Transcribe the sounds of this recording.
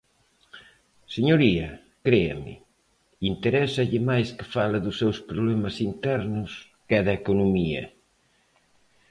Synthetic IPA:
seɲoɾiɐ | kɾeɐ̰mɪ̰ | int̪eɾɛsɐʎɪmajskɪ̥falɐðʊsːewspɾoβlɛmɐsint̪ɛɾnʊs | kɛðɐekonumiɐ̰

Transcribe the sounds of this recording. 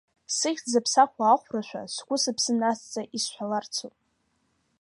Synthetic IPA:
sɨχʲd͡zapʰsaχʷʰaːχʷraʃʷᶣa̰sɡʷʊsapʰsɨnast͡sʼaʔisħʷᶣalart͡sʰop

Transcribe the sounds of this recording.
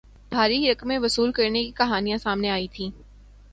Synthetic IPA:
bʱaːɾiɾɐkmẽʋɐsuːlkɐɾnekikɐɦaːnijãsaːmneaːit̪ʰĩː

